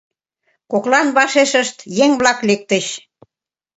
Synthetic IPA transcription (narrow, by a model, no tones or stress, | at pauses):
koklɑnβɑʃeʃə̆ʃt̪jeŋβlɑklek̚t̪əɕ